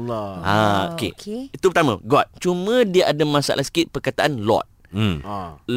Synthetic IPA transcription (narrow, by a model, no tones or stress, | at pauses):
ao̰kḛit̪upərt̪amã̰ɡɔt̪̚t͡ʃumə̃diaʔadamãsa̰ʔlʔahsə̥kɪt̪̚pərkat̪aʔanlɔ̰t̪̚